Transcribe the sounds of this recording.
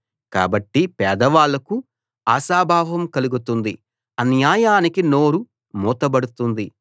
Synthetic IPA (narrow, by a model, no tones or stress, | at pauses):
ka̰ːbɐʈːipɛːd̪ɐʋaːlɐku | aːʃaːbʱaːʋɐmkɐluɡut̪und̪i | ɐnjaːjaːnikinoːɾu | muːt̪ɐbɐɽut̪und̪i